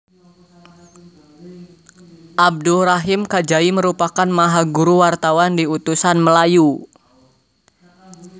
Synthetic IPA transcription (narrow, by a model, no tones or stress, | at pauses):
ʔab̚duɾaɦɪmkad͡ʒaiməɾupakanmaɦaɡuɾuwart̪awandiut̪usanməlaju